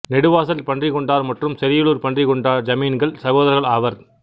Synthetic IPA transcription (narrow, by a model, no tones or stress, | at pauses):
nɪɽɯʋaːsɐlpɐɳdrɪkɔɳɖaːɾmɐʈrɯmsɛɾɪjɯɭuːɾpɐɳdrɪkɔɳɖaːɾd͡ʒɐmiːnɡɐɭsɐɣoːðɐɾɣɐɭɐʋɐɾ